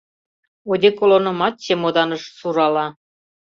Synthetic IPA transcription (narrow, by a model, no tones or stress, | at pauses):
od̪ʲekolˠonɤ̆mɑt̪̚ɕemod̪ɑnɤ̆ʃsuɾɑlɑ